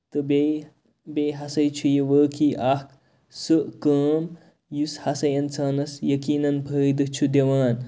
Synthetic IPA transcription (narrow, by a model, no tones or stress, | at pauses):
t̪ɨbe | beɦɐsɐjt͡ʃʰujeʋəːkiʔaːhk | sɨʔkəːm | jushɐsɐjɐnt͡sʰaːnɐsjɐkiːnɐnbʱəːjd̪ɐt͡ʃʰud̪eʋaːn